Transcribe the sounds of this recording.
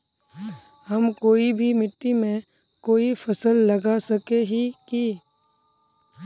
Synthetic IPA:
hɐmkoːibʱimɪʈːimẽ | koːifʰɐsəlːɐɡasɐkeɦiki

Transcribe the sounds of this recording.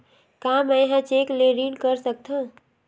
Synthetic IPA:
kamejɦãt͡ʃekleɾinkəɾsək̚t̪ʰə̃

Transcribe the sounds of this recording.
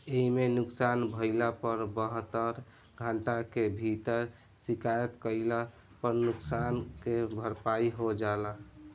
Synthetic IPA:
eimenuksanbʱəɪlapəɾbəɦət̪ːəɾ | ɡʱəɳʈakebʱit̪əɾ | sikajət̪kəɪla | pəɾnuksankebʱəɾpaiɦod͡ʒala

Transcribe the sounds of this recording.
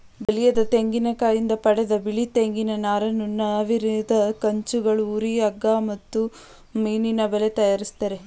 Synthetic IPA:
bɐlijɐd̪ɐt̪eŋɡinɐkaːjind̪ɐpɐɽɛd̪ɐbiɭit̪eŋɡinɐnaːɾɐnːunɐʋiɾid̪ɐkɐɲt͡ʃuɡɐɭuuːɾiɐɡːaːmɐt̪ːu | miːninɐbelet̪ɐjaːɾist̪ɐɾe

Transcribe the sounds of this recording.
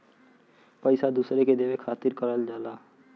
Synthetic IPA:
pəɪsad̪uːsɾeked̪eːʋekʰaːt̪ɪɾkəɾəld͡ʒaːlaː

